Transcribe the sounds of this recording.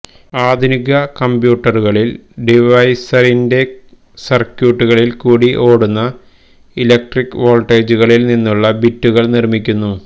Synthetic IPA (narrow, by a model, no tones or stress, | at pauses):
aːd̪ʱuniɣɐkɐmbjuːʈːɐruɣɐɭilɖiʋɐjsɐɾinde̞ | sɐrkjuːʈːuɣɐɭilkuːɽiʔo̞ːɽunːɐ | ilek̚ʈrikːʋo̞ːlʈeːd͡ʑuɣɐɭilninːuɭːɐbitːuɣɐɭnirmikʲːunːu